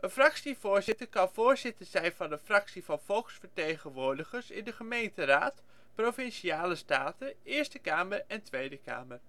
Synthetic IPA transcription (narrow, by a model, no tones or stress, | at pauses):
ʔənfrɑksivʊːɹzɪtəɹkɑnvʊːɹzɪtəɹz̥ɛjnvɑndəfrɑksivɑnv̥ɔlˠksfəɹtejχənʋʊːɹdəχəɹsɪ̰ndəχəmejntəraːt | prowfɪnʃiaːləstaːtəɪːɹstəkaːməɹɛntʋejdəka̰ːmər